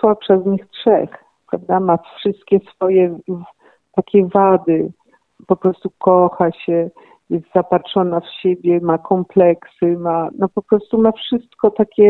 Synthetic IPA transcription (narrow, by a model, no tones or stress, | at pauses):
swapʂɛzɲixtʂɛ̰x | pɾa̰vd̪amafʂɘst̪kʲɛsfɔjɛ | t̪akʲɛvad̪ɘ | pɔpɾɔst̪ukɔxaɕɛ | jɛst̪z̥apatʂɔnafɕebʲjɛmakʰɔmplɛksɘmanɔpɔpɾɔst̪umafʂɘst̪kɔt̪akʲɛ